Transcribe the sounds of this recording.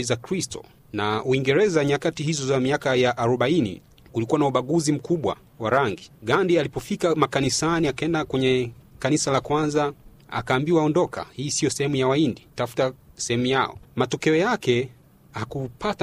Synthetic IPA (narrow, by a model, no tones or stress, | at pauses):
izakɾistɔ̰ | nauiŋɡɛɾɛzaɲakatihizɔzamiakajaʔːɾɔɓainḭ | kulikuwanauɓaɠuzim̩kuɓwa̰ | waɾaŋɡiɠandialipɔfikamakanisaniakaɛndakwɛɲɛkanisalakwanza | a̰kaːmbiwaɔndɔkʰa̰hiːsiɔsɛhɛmujawainditafu̥tasɛhɛmujaɔ̰matɔkɛɔjakɛ | hakupat